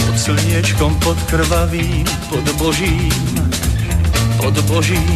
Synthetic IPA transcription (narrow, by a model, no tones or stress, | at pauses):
pɔt̪sl̩ɲɪɛt͡ʃkɔmpɔt̪kr̩ʋaʋiːm | pɔd̪bɔʒiːm | pɔd̪bɔʒiː